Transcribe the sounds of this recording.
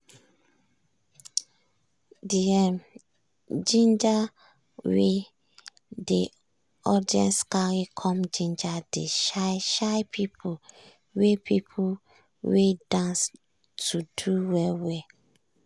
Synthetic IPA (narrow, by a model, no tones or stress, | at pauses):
diɛm | d͡ʒĩnd͡ʒa | we | de | ɔdiɛ̰̃nskaɹikʰɔ̃md͡ʒĩnd͡ʒadeʃaʃajpʰipʰu | wepʰipʰu | wedãns | tuduwɛwɛ